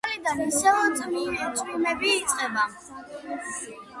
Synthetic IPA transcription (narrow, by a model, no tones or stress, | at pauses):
lid̪amisɛɔt̪ʼmiɛt̪ʰʼmilɛbiːsʼqʼɛba